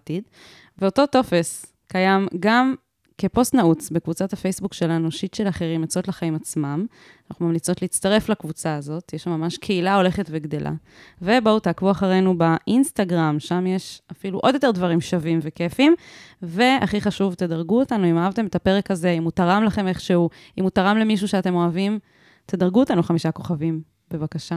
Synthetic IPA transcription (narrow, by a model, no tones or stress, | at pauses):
tid̪ | veot̪o̞to̞fe̞s | kajamɡam | ke̞po̞st̪naut͡sbe̞kvut͡sathafejsbukʃe̞lanuʃit̪ʃe̞laχeʁimet͡so̞tlaχaimat͡smam | naχumamlit͡so̞tleit͡st̪aʁe̞flakvut͡saːzo̞t̪jeʃamːamaʃkʰeilao̞le̞χetveɡd̪e̞lʔa̰ | ve̞baut̪akvuaχaʁe̞jnubaʔinst̪aɡʁamʃamjeʃafiluʔo̞d̪jo̞t̪e̞ʁdvaʁimʃavimve̞kefimve̞a̰χiχaʃuvt̪ed̪aʁɡuotanuimaavt̪emet̪ape̞ʁekaze̞imutaʁamlaχe̞me̞χʃeu | imutaʁamle̞miʃ̬uʃeate̞mo̞avim | t̪ed̪ɐʁɡuot̪anuχamiʃako̞χavim | be̞vakaʃa